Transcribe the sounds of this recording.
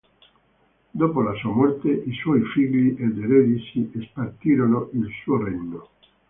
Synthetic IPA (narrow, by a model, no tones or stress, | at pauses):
d̪opolasuamɔrt̪eʔiswɔjfiʎiʔed̪eɾed̪isiespart̪iːɾonoʔilsuoreɲːo